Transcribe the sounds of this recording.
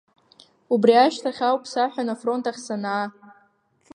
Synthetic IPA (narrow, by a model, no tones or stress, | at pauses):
ubriaʃtʰaχʲawpʰsaħᶣanafro̞ntʰaχʲsanaː